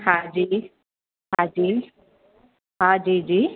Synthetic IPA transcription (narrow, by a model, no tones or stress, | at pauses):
had͡ʒi | had͡ʒi | ɦad͡ʒiːd͡ʒiː